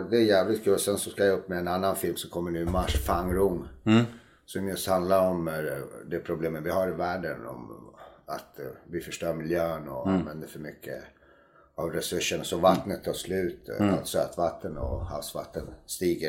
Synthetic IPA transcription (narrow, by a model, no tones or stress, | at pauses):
d̪ɛæɾjæːvlɪt̪̚kʰʉːlɔsɛnsɔskajaɵpːmɛːnanːanfɪlmsɔmkʰɔmːənʉːɪmaʂfaŋɾʊŋː | sɔmjɵst̪hand̪laɾɔmd̪ɛpʰɾʊbleːmənvɪhaɾɪvæːɖənɔ̰ma̰t̪vɪfœʂʈœːɾmɪljøːnɔanvɛnd̪əɾfœɾmʏkʰːə̰ | avɾɛsɵʂːənsɔvat̪nət̪ʰːɑːʂlʉ̟ːt̪t̪søːt̪vat̪ʰːənɔ̰ha̰fsva̰t̪ːənst̪iːɡə